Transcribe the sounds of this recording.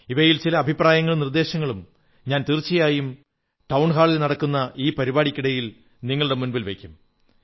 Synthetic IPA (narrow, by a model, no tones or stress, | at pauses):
iʋɐjilt͡ɕilɐːbʱipraːjɐŋːɐɭumnird̪e̞ːɕɐŋːɐɭum | ɲaːnt̪irt͡ɕːijaːjum | ʈɐwɳɦaːɭilnɐɽɐkːunːɐʔiːpɐɾibaːɽikʲːiɽɐjil | niŋːɐɭuɽe̞munbilʋekʲːum